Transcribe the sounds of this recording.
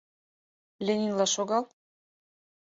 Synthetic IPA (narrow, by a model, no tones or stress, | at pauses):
lʲenʲinlɑʃoɣɑlˠ